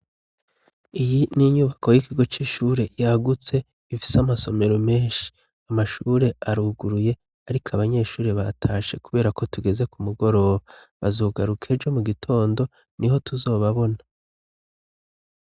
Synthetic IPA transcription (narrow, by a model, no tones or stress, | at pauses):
ijiniɲuːβako̞jikiɡo̞t͡ʃiʃuːɾe̞jaɡut͡se̞ | ifi̥samaso̞me̞ɾo̞me̞ːnʃi̥ | amaʃuːɾe̞aɾuːɡuɾuje̞ | aɾikʰaβaɲe̞ːʃuːɾeβatʰaːʃe̞kuβe̞ːɾako̞tuɡe̞ze̞kumuɡo̞ɾo̞ːβa | βazoːɡaɾukʰe̞d͡ʒo̞muɡitʰo̞ːndo̞ | niɦo̞tuzo̞ːβaβo̞na